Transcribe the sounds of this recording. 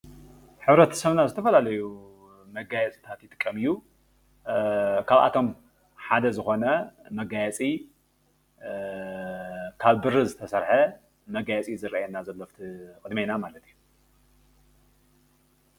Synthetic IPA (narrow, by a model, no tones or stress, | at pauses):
ħɨβɾɐt̪ʰsɐβnazɨt̪ʰɐfɐlalɐju | mɐɡajɛt͡sʼi̥t̪ʰat̪jɪt̪ʼɨkʼːɐmɨjːu | kʰaβa̰t̪ʰo̞m | ħad̪ɐzɨxo̞nɐmɐɡajɛt͡sʼi | kʰaβbɨrɨzɨt̪ʰɐsɐɾħɐ | mɐɡajɛt͡sʼizɨɾʔaajɛnazɐlːoft̪ʰikʼɨd̪mijnamalɐt̪ʰiju